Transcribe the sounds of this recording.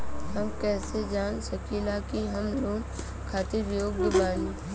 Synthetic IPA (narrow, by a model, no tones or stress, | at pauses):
ɦɐmkɛːsed͡ʒaːnsɐkilakiɦɐmloːm | kʰaːt̪iɾjoːɡd̪ɪbaːli